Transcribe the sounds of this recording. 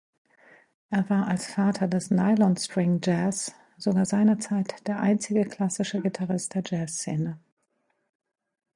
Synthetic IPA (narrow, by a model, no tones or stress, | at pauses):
ʔeːɐvaːɐʔalsfaːtʰɐdɛsnaɪlɔnstʁ̥ɪŋd͡ʒɛs | z̥oɡaːɐzaɪnɐt͡saɪtd̥eːɐʔa̰ɪnt͡sɪɡəkl̥asɪʃəɡitʰaʁɪstd̥eːɐd͡ʒɛːsːeːnə